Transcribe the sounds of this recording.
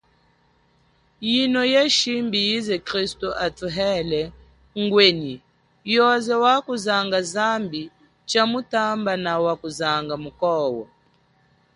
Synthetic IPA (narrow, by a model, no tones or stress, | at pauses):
jinɔjɛʃimbijizɛkɾistuʔatuɦɛlɛ | ŋɡweni | jɔzɛwakuzaŋɡazambi | t͡ʃamutambanawakuzaŋɡamukɔwɔ̰